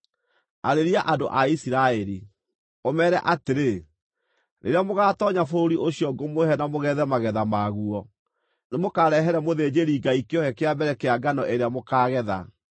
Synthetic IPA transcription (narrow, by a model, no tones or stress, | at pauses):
aɾeɾiaʔadoʔaisiɾaɛɾi | omɛɾɛʔateɾe | nʔḛɾeamoɣaːtɔɲafoɾoɾiʔoɕijɔɡomohɛnamoɣɛðɛmaɣɛðamaɣuɔ | nemokaɾɛɦɛɾɛmoðed͡ʑeɾiːɡaikeɔhɛkeabɛɾɛkeaɡanɔʔeɾeamokaːɣɛða̰